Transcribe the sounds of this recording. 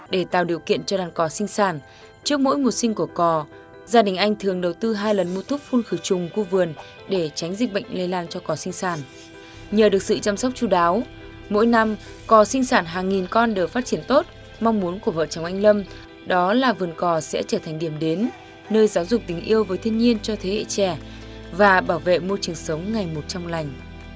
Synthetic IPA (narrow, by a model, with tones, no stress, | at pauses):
ɗe˧˩t̪a̰ː˧˨wɗi˨˩əwkḭ˧˨ənt͡ɕɔ˧ɗaː˨˩nkɔ˨˩sï˧ŋ̟saː˧˩n | t͡ɕɨ˦˥ək̚mo̰˧˥jmo˨˩t̚sï˧ŋ̟ku˧˩əkɔ˨˩ | zaː˧ɗï˨˩ŋ̟ʔa˧jŋ̟t̪ʰɨ˨˩əŋɗə˨˩wt̪ɨ˧ɦaː˧jlə˨˩nmu˧t̪ʰʊ˦˥k͡p̚fu˧nxɨ˧˩t͡ɕʊ˨˩ŋ͡mku˧vɨ˨˩ən | ɗe˧˩t͡ɕa˨˦ŋ̟zi˨˩ɓə̰˧˨jŋ̟le˧laː˧nt͡ɕɔ˧kɔ˨˩sï˧ŋ̟saː˧˩n | ɲəː˨˩ɗɨ˨˩ək̚sɨ̰˧˨t͡ɕa˧msa˦˥wk͡p̚t͡ɕu˧˩ɗaː˨˦w | mo̰˧˥˦jna˧m | kɔ˨˩sï˧ŋ̟saː˧˩nɦaː˨˩ŋːi˨˩nkɔ˧nɗɨ˨˩faː˦˥t̚t͡ɕi˧˩ənt̪o˦˥t̚ | ma˧wŋ͡mmu˨˦ənku˧˩əvə̰ː˧˨t͡ɕə˨˦wŋ͡mʔa˧jŋlə˧m | ɗɔ˨˦laː˨˩vɨ˨˩ənkɔ˨˩sɛ̰˧˥t͡ɕəː˧˩t̪ʰa˨˩ŋ̟ɗi˧˩əmɗe˨˦nː | əː˧jzaː˨˦wzʊ˨˩k͡p̚t̪ï˨˩ŋ̟ʔi˧əwvəː˨˦jt̪ʰi˧ənɲi˧ənt͡ɕɔ˧t̪ʰe˨˦hḛ˧˨t͡ɕɛ˧˩ | vaː˨˩ɓaː˧˩wvḛ˧˨mo˧t͡ɕɨ˨˩əŋsə˨˦wŋ͡mŋa˨˩jmo˨˩t̚t͡ɕɔ˧wŋ͡mla˨˩jŋ̟